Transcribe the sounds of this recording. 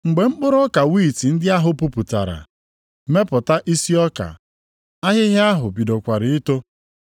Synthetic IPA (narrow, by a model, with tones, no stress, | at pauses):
ŋ͡m̩˨ɡ͡be˨ŋ͡m̩˦k͡pʊ˦ɾɔ˦ka˨wiː˦˨ti˨n̩˦dɪ˦a˦ɦʊ˦pu˦pu˨ta̰˨ɾa̰˨˦ | me˦pʊ˨ta˦ʔi˦si˦ɔ˦ka̰˨ | a˦ɦɪ˦ɦɪ˦a˦ɦʊ˨bi˨do˨kʷa˨ɾɪ˨ɪ˦to˦